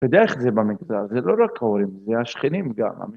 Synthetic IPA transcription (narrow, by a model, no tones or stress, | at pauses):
tod̪eeχzebamiɡzalzelo̞ɾakhaoɾimzeaʃχinimɡa̰ma̰mi